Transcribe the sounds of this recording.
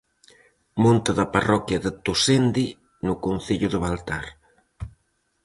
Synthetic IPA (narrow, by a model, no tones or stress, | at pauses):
mont̪aðaparɔkjɐðət̪usend̪i | nʊkunθiʎʊðəβalt̪aɾ